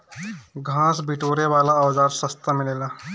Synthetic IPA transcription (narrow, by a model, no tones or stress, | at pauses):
ɡʱãːsbiʈoːɾeʋaːlaəʋzaːɾsəst̪amɪleːlaː